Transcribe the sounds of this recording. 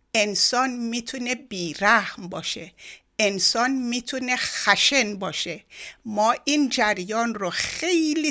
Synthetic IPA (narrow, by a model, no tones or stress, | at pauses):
ʔe̞nsɒːnmit̪ʰune̞biːɾæhmbɒːʃe | ensɒːnmiːt̪ʰune̞xæʃenbɒːʃemɒːʔind͡ʒæɾjɒːnroxe̞jli